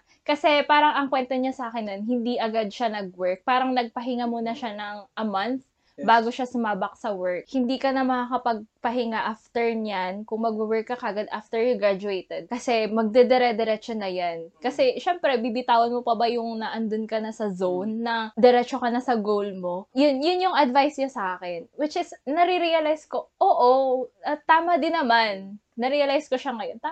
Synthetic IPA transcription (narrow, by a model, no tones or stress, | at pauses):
kɐsɛpaːɾɐŋɐŋkwɛnt̪oɲasɐaːkɪnːonɦɪnd̪iʔɐɡad̪̚ʃanɐɡ̚wɛɹk̚paːɾɐŋnɐɡ̚pɐɦɪŋamʊnɐʃanɐŋʔɐmanθ | baːɡo̞ʃasʊmaːbɐk̚sɐwɛɹk̚hɪnd̪iːkɐnɐmɐkakɐpɐɡ̚pɐɦɪŋaʔaft̪ɛɹnjankʊŋmɐɡ̚uwɛɹkːɐkɐʔɐɡad̪ʔaft̪ɛɹjʊɡɾad͡ʒʊet̪ɛd̪̚kɐsɛmɐɡ̚d̪ɛd̪ɛɾɛd̪ɛɾɛt͡ʃonːɐjankɐsɛʃɛmpɾɛbibɪt̪aːwɐnmopɐbajʊŋnɐʔɐnd̪ʊnkɐnɐsɐzownːɐd̪ɛɾɛt͡ʃokɐnɐsɐɡowlmojʊnjʊnjʊŋɐd̪vajsɲɐsɐʔaːkɪnwɪt͡ʃɪsnɐɾiɾiɐlajsko̞ʔoːʔoɐt̪aːmɐd̪ɪnːɐmanː | ɐɾiɐlajsko̞ʃɐŋɐjont̪a